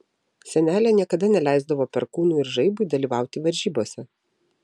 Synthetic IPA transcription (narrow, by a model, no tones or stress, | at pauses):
sʲɛnʲæːlʲɛnʲiɛkɐd̪ɐnʲɛlʲæˑɪzd̪ɐʋoːpʲɛɾkuːnuːɪɾʒɐɪbʊɪd̪ɐlʲiːʋɑˑʊt̪ʲɪʋɐɾʲʒʲiːboːsʲɛ